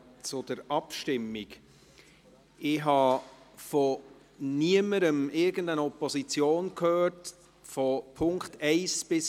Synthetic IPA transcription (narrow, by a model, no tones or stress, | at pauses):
t͡sʊd̥əɾɑpʃtɪmːik | ɪɦɑ | fɔ | niəməɾəmɪɾɡəndənɔpɔsit͡sjoːnkʰhøːrt | fɔpʰʊŋktɛɪsb̥ɪs